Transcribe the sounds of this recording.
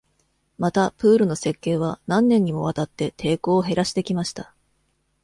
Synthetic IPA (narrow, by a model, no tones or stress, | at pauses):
mat̪apɯ̟ːɾɯ̟no̞se̞kːe̞ːβ̞anãnːẽ̞ɲ̟ːimo̞β̞at̪at̪ːe̞t̪ʰe̞ːko̞ːɦe̞ɾaɕi̥t̪e̞kʲimaɕi̥t̪a